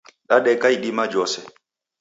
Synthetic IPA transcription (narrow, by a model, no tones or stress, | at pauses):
ɗaɗɛkajɗimad͡ʒɔsɛ